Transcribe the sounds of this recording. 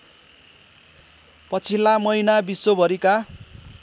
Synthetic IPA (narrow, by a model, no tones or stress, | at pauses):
pʌt͡sʰilamʌjnabisobʱʌɾika